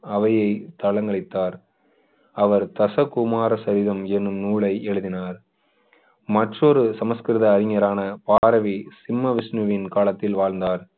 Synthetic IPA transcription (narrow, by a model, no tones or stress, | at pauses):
ɐʋɐjɐɪt̪ɐɭɐŋɡɐɭɐɪt̪ːaːɾ | ɐʋɐɾt̪ɐsɐkːʊmaːɾɐsɐɾɪðɐmɛnːɯmnuːɭɐɪɛɻɯðɪnaːɾ | mɐʈrɔɾɯsɐmɐskɪɾɪðɐːɾɪŋɐɾaːnɐpaːɾɐʋisɪmːɐʋɪsnɯʋɪnkaːlɐt̪ːɪlʋaːɻnd̪aːɾ